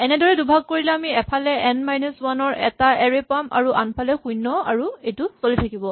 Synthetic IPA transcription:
ɛnɛdɔɹɛdubʱaɡ̚koɹilɛamiɛpʰalɛʔɛnmajnuswanɔɹɛ̰taɛɹepama̰ɹuʔa̰npʰalɛxujnːɔa̰ɹuejtusolitʰakibɔ

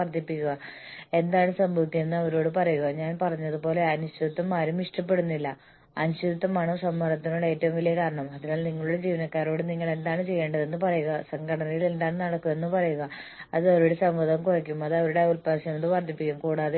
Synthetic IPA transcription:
ɐrt̪ːipːikʲːuɣɐ | e̞nd̪aːɳɨsɐmbʱɐʋikʲjɐmenːɨɐʋɐɾo̞ːɽɨpɐrɐjuɣɐɲaːnpɐrɐɲːɐðɨpo̞ːle̞ɐnuɕid̪ɐt̪ːɐmːaːɾumiʂʈɐpːe̞ɽunːilːɐ | ɐnuɕid̪ɐt̪ːɐmːaːɳɨmsɐmːɐɾɐt̪ːinoɭːe̞ːtːɐʋumʋɐlijɐkaːɾɐɳɐmɐðinaːlniŋːɐɭuɽe̞d͡ʑiːʋɐnɐkːaːro̞ːɽɨniŋːɐɭe̞nd̪aːɳɨt͡ɕe̞jːeːɳɖɐðe̞nːɨpɐrɐjuɣɐsɐŋɡʱɐɽɐnɐjile̞nd̪aːɳɨnɐɽɐkːume̞nːɨpɐrɐjuɣɐɐðɨɐʋɾuɽe̞sɐmʋɐd̪ɐmkurɐkʲːumɐðɐʋɐɾuɽe̞ulpaːɕɐmɐnd̪ɨpɐrd̪ipːikʲːumkuːɽaːðe

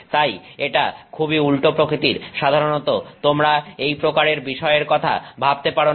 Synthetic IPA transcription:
t̪ajeʈakʰubiulʈopɾokɾit̪iɾʃad̪ʱaɾonot̪ot̪omɾaejpɾokaɾeɾbiʃɔeeɾkɔt̪ʰa̰bʱab̚t̪epaɾo

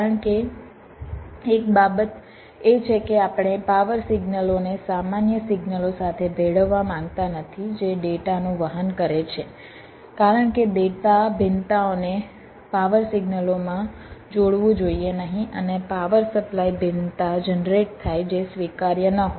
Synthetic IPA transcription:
aɾəɳke | k̚babət̪ | et͡ʃʰekeapɳ̃epaʋəɾsiɡnəlonesamanjəsiɡnəlosat̪ʰebʱeɽəʋːamãŋɡt̪anət̪ʰid͡ʒeɖeʈanũʋəɦənkəɾet͡ʃʰe | kaɾəɳkeɖeʈabʱɪnt̪aone | paʋəɾsiɡnəlomã | d͡ʒoɽʋũd͡ʒoienəɦĩʔənepaʋəɾsəplaibʱint̪ad͡ʒənɾeʈ̚t̪ʰajd͡ʒesʋikaɾjənəɦo

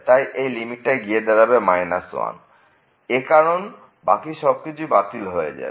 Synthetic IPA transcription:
t̪ajʔejlimiʈːajɡied̪ɛɾabemajnaswa̰n | ekaɾon | bakiʃɔb̚kit͡ɕʰubat̪ilɦoḛd͡ʑa̰e

